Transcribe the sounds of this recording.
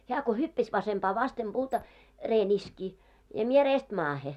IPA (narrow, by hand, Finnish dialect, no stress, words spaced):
heæ ko hypːæs ʋɑsempɑː ʋɑstem b̥uːtɑ reːn iski jɑ mie reːst mɑːhe